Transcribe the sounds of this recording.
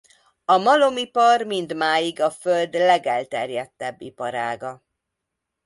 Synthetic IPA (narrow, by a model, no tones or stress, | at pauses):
ɒmɒlo̞mipɒrmind̪maːjiɡɒføld̪lɛɡɛlt̪ɛrjɛt̪ːɛbːḭpɒɾaːɡɒ